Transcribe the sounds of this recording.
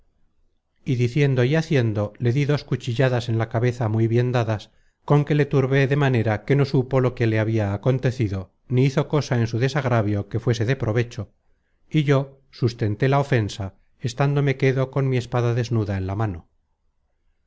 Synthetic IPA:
iðiθje̞nd̪o̞iaθje̞nd̪o̞le̞ðiðo̞skut͡ʃiʎaðase̞nlakaβe̞θamujβje̞nd̪aðas | ko̞ŋke̞le̞t̪uɾβe̞ðe̞mane̞ɾake̞no̞supo̞lo̞keleaβiaːko̞nt̪e̞θiðo̞ | niiθo̞ko̞sae̞nsuðe̞saɣɾaβjo̞ke̞fwe̞s̬e̞ðe̞pɾo̞βe̞t͡ʃo̞ | iʝo̞ | sust̪e̞nt̪e̞lao̞fe̞nsa | est̪and̪o̞me̞ke̞ðo̞ko̞nmie̞spaðaðe̞znuðae̞nlamano̞

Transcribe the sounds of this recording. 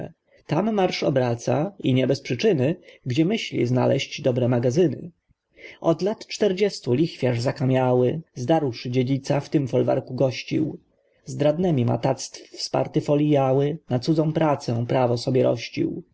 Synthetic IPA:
t̪amːaɾʂɔbɾat̪sa̰iɲɛbɛspʂɘt͡ʂɘnɘɡd͡ʑɛmɘɕlʲḭzna̰lɛɕd͡ʑd̪ɔbɾɛmaɡazɘnɘ̰ | ɔd̪lat̪t͡ʂt̪ɛɾd͡ʑɛst̪ulʲixfʲjaʐzakamʲjawɘzd̪aɾwʂɘd͡ʑed͡ʑit̪saft̪ɘmfɔlva̰ɾkuɡɔɕt͡ɕḭw | zd̪ɾad̪nɛmʲima̰t̪at̪st̪ffspa̰ɾt̪ɘfɔlʲijawɘnat̪sud̪zɔ̃w̃pɾat̪sɛpɾavɔsɔbʲjɛɾɔ̰ɕt͡ɕḭw

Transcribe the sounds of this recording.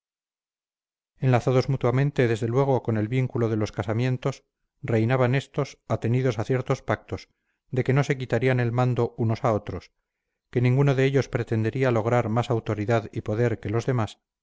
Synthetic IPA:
e̞nlaθaðo̞zmut̪wamẽ̞nt̪e̞ðe̞zðe̞lwe̞ɣ̞o̞ko̞ne̞lβiŋkuloðe̞lo̞skasamje̞nt̪o̞s | re̞jnaβane̞st̪o̞sat̪e̞niðo̞saθje̞ɾt̪o̞spak̚t̪o̞s | d̪e̞ke̞no̞se̞kit̪aɾiane̞lmand̪o̞uno̞sao̞t̪ɾo̞s | ke̞nĩŋɡunoðe̞eʎo̞spɾe̞t̪e̞nd̪e̞ɾialo̞ɣ̞ɾaɾmasawt̪o̞ɾiðaðipo̞ðe̞ɾke̞lo̞zðe̞mas

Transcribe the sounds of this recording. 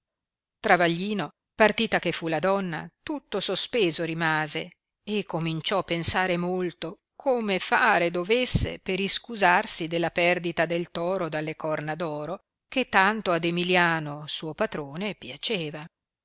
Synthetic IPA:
t̪ɾavaʎːiːno | part̪iːt̪akefːulad̪ɔnːa̰t̪ut̪ːosospeːzoɾimaːzeː | kːomint͡ʃɔpːensaːɾemolt̪o | kʰomefaːɾed̪ovesːḛpeɾiskuzarsid̪elːapɛrd̪it̪ad̪elt̪ɔːɾod̪alːekɔrnad̪ɔːɾo | ket̪ːant̪oad̪emiljaːnosuːopat̪ɾoːnepjat͡ʃeːva

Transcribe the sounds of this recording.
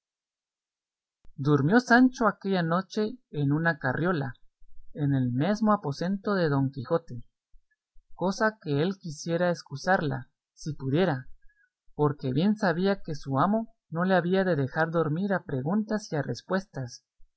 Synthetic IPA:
d̪uɾmjo̞sant͡ʃo̞ake̞ʝano̞t͡ʃe̞ːnunakarjo̞laene̞lme̞zmo̞apo̞se̞nt̪o̞ðe̞ðo̞ŋkixo̞t̪e̞ | ko̞sake̞elkisje̞ɾaeskusaɾla̰ | sipuðje̞ɾa | po̞ɾke̞βje̞nsaβiake̞suamo̞ | no̞le̞aβiaðe̞ðe̞xaɾðo̞ɾmiɾapɾe̞ɣunt̪asiare̞̰spwe̞st̪as

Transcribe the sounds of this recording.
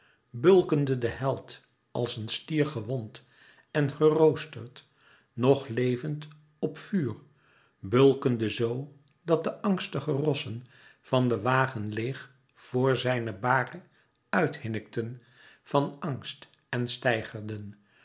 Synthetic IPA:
bɵlˠkəndədəhɛlˠt | ɑlˠsənstiːɹχəʋɔnt | ɛnχərowstəɹt | nɔχlejvənt | ɔpfyːr | bɵlˠkəndəzow | dɑt̚dəʔɑŋstəχərɔsən | v̥ɑndəʋaːχənleχ | v̥ʊːɹzɛjnəbaːrə | œɥthɪnək̚tən | v̥ɑnɑŋst | ɛnstɛjχəɹdən

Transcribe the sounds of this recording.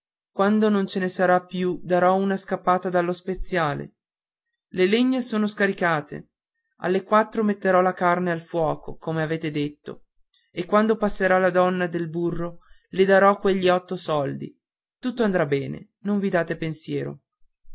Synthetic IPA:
kwand̪onont͡ʃenesaɾapːjud̪aɾɔunaskapːaːt̪ad̪alːospet̪sːjaːlḛ | leleɲːasoːnoskaɾikaːt̪ḛ | a̰lːekwat̪ːɾomet̪ːeɾɔlakarnealfwɔːkokomeaveːt̪ed̪et̪ːo̰ | ekːwand̪opasːeɾalad̪ɔnːad̪elburːo | led̪aɾɔkːweʎːiɔt̪ːosɔld̪ḭ | t̪ut̪ːoand̪ɾabːɛːnḛ | noɱvid̪aːt̪epensjɛːɾo̰

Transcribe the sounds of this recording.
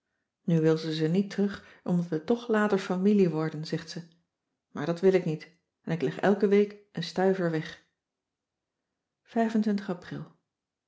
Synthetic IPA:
nyʋɪlˠzəzənitrɵχ | ʔɔmdɑtʋətɔχlaːtəɹfɑmiliʋɔɹdənzɛχtsə | maːɹdɑtʋɪlɪknit | ɛnɪklɛχɛ̰lˠkəʋejkʔənstœɥvəɹʋɛχ | v̥ɛjvəntʋɪntəχɑprɪ̰lˠ

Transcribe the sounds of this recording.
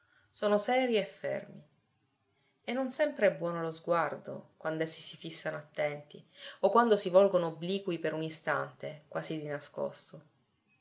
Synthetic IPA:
soːnosɛːɾiefːɛ̰rmi | enːonsɛmpɾeɛbːwɔːnolozɡward̪o̰kwand̪ɛsːi̥sifisːanoat̪ːɛnt̪iokːwand̪osivɔlɡonoːbːliːkuipeɾunist̪a̰nt̪ekwaːzid̪inasko̰st̪o

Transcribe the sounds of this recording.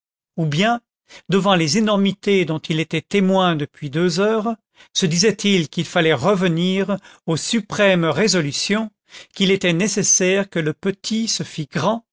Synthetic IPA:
ubjɛ̃ | d̪əvɑ̃lezenɔʁmit̪ed̪ɔ̃t̪ilet̪ɛt̪emwɛ̃d̪əpɥid̪øzœːʁ | səd̪izɛt̪ilkilfalɛʁəvəniʁosypχɛmʁezɔlysjɔ̃ | kʲilet̪ɛnesesɛʁkələpət̪ʰisəfiɡʁɑ̃

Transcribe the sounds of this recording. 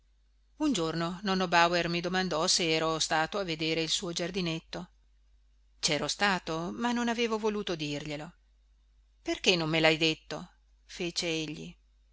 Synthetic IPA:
und͡ʒornonɔnːobawermid̪omand̪ɔseɛːɾost̪aːt̪oavːed̪eːɾeilsuːod͡ʒard̪inet̪ːo | t͡ʃɛːɾost̪aːt̪omanːonaveːvovoluːt̪od̪irʎelo | perkenːomːelajd̪et̪ːo̰ | feːt͡ʃeeʎːḭ

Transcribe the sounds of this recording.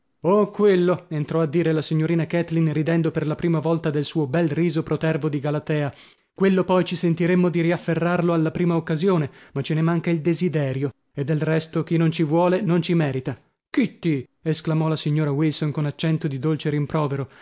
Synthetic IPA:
okwelːoent̪ɾɔad̪ːiːɾelasiɲːoɾiːnakɛt̪linrid̪ɛnd̪operlapɾiːmavɔlt̪ad̪elsuːobɛlriːzopɾot̪ɛrvod̪iɡalat̪ɛːa | kwelːopɔjt͡ʃisent̪iɾemːod̪iɾiafːerːarloalːapɾiːmaokːazjoːnemat͡ʃːenemaŋkaild̪ezid̪ɛːɾjo | ed̪ːelrɛst̪ok̟inont͡ʃivwɔːlenont͡ʃimɛːɾit̪a | kit̪ːi | esklamɔlasiɲːoːɾawilsonkonat͡ʃːɛnt̪od̪id̪olt͡ʃeɾimpɾɔːveɾo

